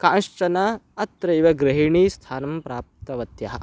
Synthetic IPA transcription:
kãːnʂt͡ʃɐnɐɐt̪ɾɐjʋɐɡɾɐɦiɳiːst̪ʰaːnɐmpɾaːp̚t̪ɐʋɐt̪jɐɦɐ

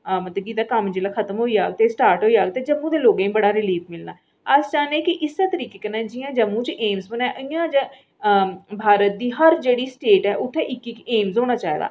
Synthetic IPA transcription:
mət̪əɡiːd̪aːkəmd͡ʒeːlaːkʰət̪əmɦoːiːaːɡt̪eːsʈaːɾʈɦoːiːaːɡt̪eːd͡ʒəmːũːd̪eːloːɡẽːbəɽaːɾɪliːpʰmɪlna̰ː | əsd͡ʒaːneːkɪʔɪsːaːt̪əɾiːkeːkənɛ̃ːd͡ʒɪjãːd͡ʒəmːũːt͡ʃʔeːmsbənɛ̃ːʔəɪjãːt͡ʃ | bʱaːɾət̪̚d̪iːɦəɾd͡ʒeːɽiːsʈeːʈɛːʔʊʈʰːɛːʔɪkːɪkeːmzɦoːɽ̃aːt͡ʃaːḛːd̪a̰ː

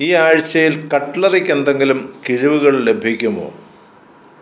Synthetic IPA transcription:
iːaːɻt͡ɕːɐjilkɐʈːɭɐrikʲːend̪e̞ŋɡilumkiɻiʋuɣɐɭle̞bʱikʲːumo̰ː

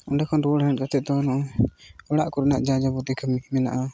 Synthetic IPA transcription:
ɔnɖakʰɔnɾuɽɦɛ̃ʈ̚kat̪ɛt̪ɔnɔ | ɔɽaʔkɔɾnaʔd͡ʒad͡ʒabut̪ikʰəmimɛna̰ʔa

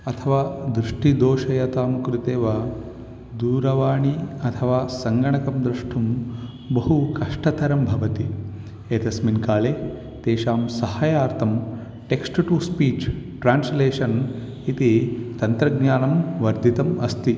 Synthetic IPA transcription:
ɐt̪ʰɐʋaːd̪ɾuʂʈid̪oːʃɐjɐt̪aːmkɾut̪eːʋɐ | d̪uːɾɐʋaːɳiɐt̪ʰɐʋaːsɐŋɡɐɳɐkɐmd̪ɾuʂʈʰum | bɐɦukɐʂʈɐt̪ʰɐɾɐmbʱɐʋɐt̪i | eːt̪ɐsminkaːleː | t̪eːʃaːmsɐhaːjaːɾt̪ʰɐm | ʈeksʈʈuspiːt͡ʃʈɾaːnsleːʂɐn | it̪it̪ɐnt̪ɾɐɡɲaːnɐmʋɐɾd̪ʱit̪ɐmɐst̪i

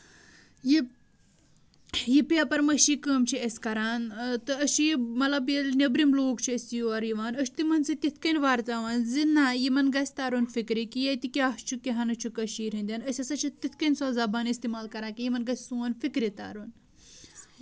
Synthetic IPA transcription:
ji | jipiɐpɐɾmɐʃikəːmt͡ʃʰiɐsʲkɐɾaːnt̪ɨɐʃʰijimɐlɐbjilnebɾimloːkt͡ʃʰiɐsʲijoɐɾjiʋaːnɐʃt̪imɐnsit̪it̪ʰkɐnʲʋaːɾt̪aːʋaːnzinːaːjimɐnɡɐsʲt̪aːɾunfikɾikijɐt̪ikiaht͡ʃʰukiɦɐnɐt͡ʃʰukɐʃiːɾind̪ʲɐnɐsʲɐsɐt͡ʃʰit̪it̪ʰkɐnʲsoːzɐbaːnist̪imaːlkɐɾaːkijimɐnɡɐsʲsuːɐnfikɾit̪a̰ɾun

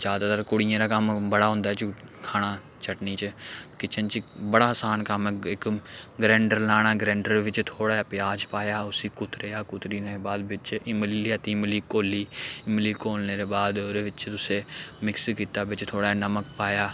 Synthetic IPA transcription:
d͡ʒaːd̪aːt̪aɾkʊɽɪjãːɾaːkəmbəɽaːɦʊ̃ːnd̪aːɛt͡ʃkʰaːɽ̃aː | t͡ʃʰəʈniːt͡ʃkɪt͡ʃʰənt͡ʃbəɽaːəsaːnkəmɪkɡɾɛ̃ːɳɖəɾlaːɽ̃aːɡɾɛ̃ːɳɖəɾʋɪt͡ʃt̪ʰoːɽaːpɪjaːd͡ʒpaːjaːʊsiːkʊt̪ɾejaːkʊt̪ɾiːneːbaːd̪ʋɪt͡ʃɪmliaːt̪iːmliːkoːliːɪmliːkoːlneːɾeːbaːd̪ɾeːʋɪt͡ʃt̪ʊseːmɪkskiːt̪aːʋɪt͡ʃt̪ʰoːɽaːnəmək̚paːjaː

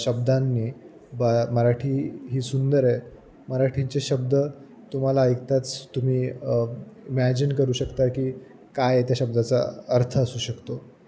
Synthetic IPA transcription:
ɕəb̚d̪anːiː | baməɾaʈʰiːɦiːsund̪əɾɛ | məɾaʈʰiɲt͡seɕəbd̪ə | t̪um̤alaːjkt̪at͡st̪um̤iː | imæd͡ʑinkəɾuːɕəkt̪akiː | kajt̪jaɕəb̚d̪at͡sa̰əɾt̪ʰəəsuːɕəkt̪o

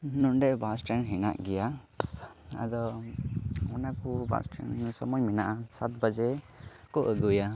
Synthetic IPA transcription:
nunɖɛbasʈanɦɛna̰ʔɡɛja | a̰d̪ɔ | ɔnakɔba̰sʈa̰nsɔmɔjminaʔasat̪̚bad͡ʒɛ | kɔʔəɡuja

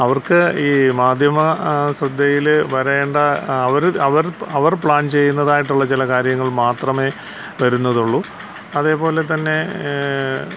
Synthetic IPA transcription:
ɐʋɐrkɨiːmaːd̪ʱjɐmɐsrɐd̪ʱːejilʋɐɾɐeːɳɖɐɐʋɐɾɐʋɐɾɐʋɐrpɭaːnt͡ɕe̞jːunːɐðaːjiʈːuɭːɐt͡ɕilɐkaːɾjɐŋːɐɭmaːt̪rɐme̞ | ʋɐɾunːɐðuɭːu | ɐðe̞ːpo̞ːle̞t̪ɐnːe̞

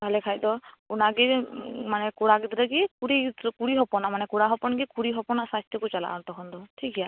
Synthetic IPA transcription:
bʱalɛkʰajd̪ɔ | unaɡimanɛkuɽaɡid̪ɾɛɡikuɾidkuɾiɦɔpɔnamanɛkuɽaɦɔpɔnɡikuɾiɦɔpɔnasast̪ɔkut͡ʃala̰ʔɔnt̪ɔkʰɔnd̪ɔtʰikʰja

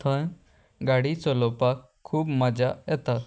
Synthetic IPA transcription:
t̪ʰə̃ | ɡaːɽisolopakʰːuːbməd͡ʒaɛt̪a

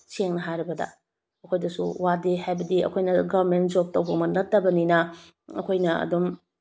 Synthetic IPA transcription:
seŋnɐɦajɾɐbɐdɐ̰ | ɐkʰojdɐsṵwadehajbɐdiɐ̰kʰojnɐɡɐβɾmentd͡ʒop̚tɐwbɐmɐnɐtːɐbɐninɐ | ɐ̰kʰojnɐɐ̰dom

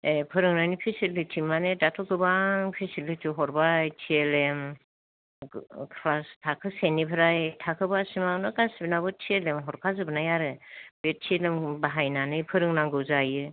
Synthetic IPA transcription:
epʰɯɾɯŋnajnipʰisilitʰimanedatʰɔɡɯbaŋpʰisilitʰiɦɔɾbajtʰielem | kʰlastʰakʰɯsenipʰɯɾajtʰakʰɯbasimanɯɡasibinabɯtʰielemɦɔɾkʰazɯbɯnajaɾɯbet̚tʰielɯmbaɦajnanɯjpʰɯɾɯŋnaŋɡɯwzajɯ

